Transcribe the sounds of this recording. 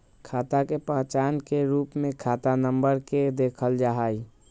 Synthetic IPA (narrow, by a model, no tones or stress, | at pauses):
kʰaːt̪akepəɦt͡ʃaːnkeɾuːpmẽkʰaːt̪anəmbəɾked̪eːkʰəld͡ʒaɦai